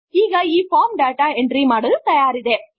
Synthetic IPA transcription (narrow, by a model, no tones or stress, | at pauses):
iːɣɐiːfaːmɖaːʈaːɛndrimaːɽɐɯt̪ɐjaːɾɪðeː